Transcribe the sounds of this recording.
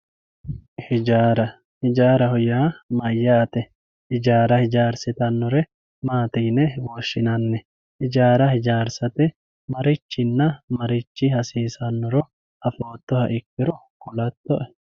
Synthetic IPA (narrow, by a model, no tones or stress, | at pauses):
hɪd͡ʒaːɾɐ | hɪd͡ʒaːɾɐhɔjaːmɐjːɐt̪ɛ | hɪd͡ʒaːɾɐhɪd͡ʒaːɾsɪt̪ɐnːɔɾɛ | maːt̪iːnɛboːʃːɪnɐnːɛ | hɪd͡ʒaːɾɐhɪd͡ʒaːɾsɐt̪ɛ | mɐɾɪt͡ʃːɪnːɐmɐɾɪt͡ʃːɪhɐsiːsɐnːɔɾɔ | ʔɐfoːt̪ːɔhɐʔɪkːɪɾɔ | kʊlɐt̪ːɔʔɛ